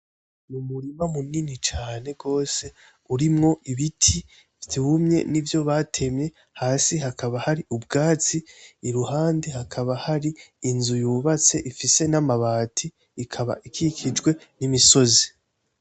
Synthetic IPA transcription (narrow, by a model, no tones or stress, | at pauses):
numuɾimamuninit͡ʃaːne̞ɡo̞ːse̞ | uɾimŋo̞ʔiβitʰi | tʰuːmɲe̞̰nivjo̞βatʰe̞mɲe̞ | haːsiɦakʰaβahaɾiub̚ɡaːt͡siːɾuhaːndehakʰaβahaɾiːnzujuːβat͡se̞ʔifise̞namaβaːtʰiː | kʰaβa̰ʔikʰikʰid͡ʒɡwe̞ | nimiso̞zi